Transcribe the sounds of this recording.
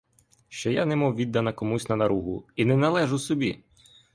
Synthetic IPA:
ʃt͡ʃɔjanɛmɔwʋʲid̪ːɐnɐkɔmusʲnɐnɐɾuɦʊ̰inɛnɐlˠɛʒʊsɔbʲi

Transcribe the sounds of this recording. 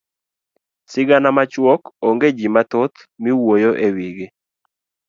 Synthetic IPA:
sɪɡanamat͡ʃwɔkoŋɡed͡ʒimat̪ot̪ | miwojoʔewiɡe

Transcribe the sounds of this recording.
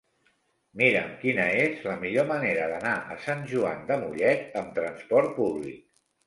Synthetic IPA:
miɾəmkinəezləmiʎoməneɾəðənaʔəsanʲʒua̰nd̪əmuʎɛt̪əmt̪ɾənspɔɾt̪̚puβlḭk̚

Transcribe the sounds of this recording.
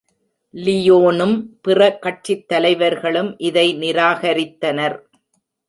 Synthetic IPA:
lɪjoːnɯmpɪrɐkːɐʈt͡ʃɪt̪ːɐlɐɪʋɐɾɣɐɭɯmʔɪðɐɪnɪɾaːɣɐɾɪt̪ːɐnɐɾ

